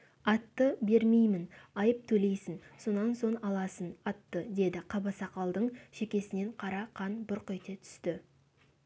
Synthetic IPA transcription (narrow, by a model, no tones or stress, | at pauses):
ɑt̪ːəbe̞ɾme̞jmɪnɑjəp̚t̪ʰɵle̞jsɪnso̞nɑnso̞ɴɑlˠɑsənɑt̪ːəd̪e̞d̪ɪqʰɑbɑsɑqɑlˠd̪əɴʃe̞kʲe̞sɪne̞ɴqʰɑɾɑqʰɑnbʊɾqejt̪e̞t̪ʰʏ̥st̪ɪ